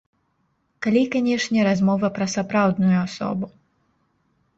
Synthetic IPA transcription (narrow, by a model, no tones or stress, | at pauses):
kalʲikanʲɛʂnʲɛɾazmɔvɐpɾɐsapɾawd̪nujuasɔ̰bu